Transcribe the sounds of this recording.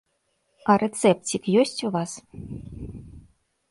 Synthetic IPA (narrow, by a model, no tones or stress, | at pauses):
ɑrʲet̪sɛp̚tʲikjosʲtʲuvɑs